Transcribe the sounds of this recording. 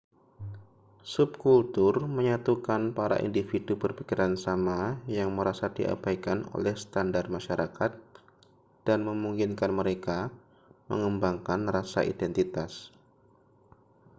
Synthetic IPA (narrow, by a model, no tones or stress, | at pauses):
sub̚kult̪ʊrməɲat̪ukanpaɾa̰ʔḭndifidupərpikiɾansamajaŋməɾasadiʔa̰b̥ajkano̰lɛhsə̥t̪andar̚maʃaɾʔakat̪̚ | d̥anməmuŋkinkanməɾeka | mə̰ŋəmbaŋkanrasa̰ʔḭdɛnt̪it̪as